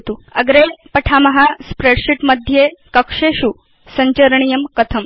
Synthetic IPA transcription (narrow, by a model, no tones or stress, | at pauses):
t̪uɐɡɾepɐʈʰamɐɦaspɾeɽɕiʈməd̪ʱjekəkʂeɕu | sɐɲt͡ɕəɾɳ̃ijəmkɐt̪ʰəm